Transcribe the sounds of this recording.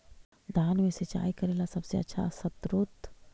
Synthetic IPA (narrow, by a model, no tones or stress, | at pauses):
d̪ʱaːnmẽset͡ʃa̰ːikɐɾeːlasɐbseɐ̰tːʃʰa̰sət̪ɾut̪